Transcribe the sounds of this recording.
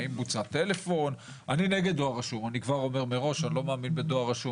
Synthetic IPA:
imbut͡sat̪e̞le̞fo̞n | anineɡed̪̚doaʁaʃumanikvaʁo̞me̞ʁme̞ʁo̞ʃanilo̞maːminbed̪oaʁaʃum

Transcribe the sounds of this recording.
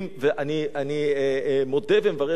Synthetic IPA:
mveʔanianimod̪evemevaʁe

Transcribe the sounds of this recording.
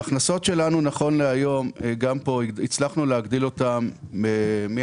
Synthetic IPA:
aχnaso̞tʃe̞lanunaχo̞nleajo̞mɡampo̞it͡slaχnuleaɡdilo̞tamːemi

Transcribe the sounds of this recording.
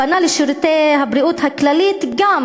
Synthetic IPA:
analeʃiɾut̪eɦabɾiut̪haklalit̪ɡam

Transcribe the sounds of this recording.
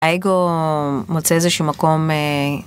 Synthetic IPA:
aeɡomot͡seezeʃuːmako̞me

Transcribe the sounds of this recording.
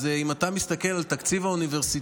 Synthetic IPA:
zeimat̪amist̪ake̞lalt̪akt͡sivauniveʁsi

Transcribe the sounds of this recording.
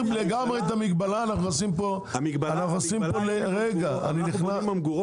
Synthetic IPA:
leɡamʁeet̪amiɡbalaːnaχnuosimpo̞ | ianaχnuosimpoleʁeɡaa̰niniχnamɡu

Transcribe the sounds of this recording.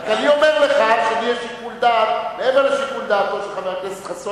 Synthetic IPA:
kaniomeʁleχadʃenieʃikuld̪at̪leemeʁleʃikuld̪aːt̪̚kolʃelχamekeset̪χaso

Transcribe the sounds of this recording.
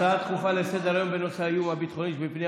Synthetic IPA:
aat̪χuχalesed̪eajo̞nbenosaijumabit̪χonitbepni

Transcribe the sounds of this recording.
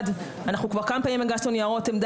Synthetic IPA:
d̪ | anaχnukvaʁkamapaːnimeɡast̪onjaʁot̪emd̪

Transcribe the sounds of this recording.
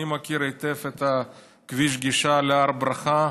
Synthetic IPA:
imakiɾet̪efet̪a | kviʃ̬ɡiʃaleaɾbɾaχa

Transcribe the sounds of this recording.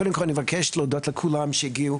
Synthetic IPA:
odəmkolnmevakʰɛʃlod̪otləkʰulamʃejiɡiu

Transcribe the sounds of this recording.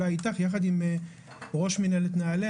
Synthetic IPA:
ait̪aχjaχad̪im | ʁo̞ʃminelet̪naːle

